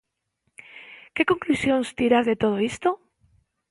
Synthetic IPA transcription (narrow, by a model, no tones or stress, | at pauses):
kekoŋklusjõnst̪iɾaɾðet̪oð̞oist̪o